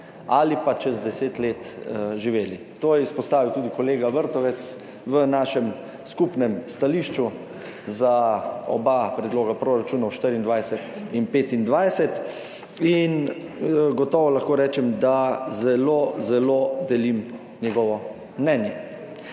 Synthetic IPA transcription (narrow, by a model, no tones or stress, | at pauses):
alipat͡ʃɛzd̪ɛseːt̪leːt̪ʒiʋeːli | t̪oːjɛispɔst̪aːʋiwt̪uːd̪ikɔleːɡaʋəɾt̪ɔʋɛt̪s | ʋənaʃɛm | skupnɛmst̪aliːʃt͡ʃu | zaɔ̰bapɾɛd̪loːɡapɾoːɾat͡ʃuːnɔwʃt̪əɾind̪ʋajsɛt̪inpeːt̪ind̪ʋajsɛt̪ | in | ɡɔt̪ɔːʋɔlaxkoːɾɛːt͡ʃɛmd̪azɛloːzɛlod̪ɛlim | njɛɡɔʋɔ | mnɛːnjɛ